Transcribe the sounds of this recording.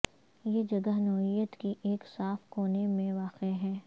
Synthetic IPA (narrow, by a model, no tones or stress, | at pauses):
jeːd͡ʒɐɡəɦnɔːɦijət̪kiʔeːksaːfkoːnemẽʋaːqeɦɛː